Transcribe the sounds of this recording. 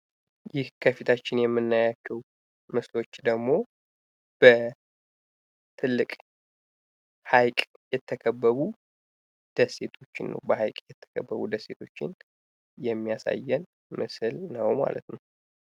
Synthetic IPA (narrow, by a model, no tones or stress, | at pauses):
jɪhkʰəfit̪ʰat͡ʃːɪnjɛmːɨnːajat͡ʃːəw | mɨslo̞t͡ʃːd̪əɡmo̞ | b̥ə | t̪ʰɨlːɨkʼ | hajkʼ | jɛt̪ʰːəkʰəbːəβu | d̪̥əsːe̞t̪ʰo̞t͡ʃːɪnːə̰wbəhajkʼjɛt̪ʰːə̥kʰəbːəβṵd̪əse̞t̪ʰo̞t͡ʃːɪ̰n | jɛmːijasa̰jːɛn | mɨsɨlnəwma̰lʔə̰t̪nəw